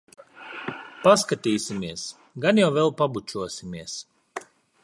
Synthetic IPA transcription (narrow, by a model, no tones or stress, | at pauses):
paskat̪iːsʲimiɛs | ɡanjawvɛlˠpabut͡ʃuɔsʲimʲiɛs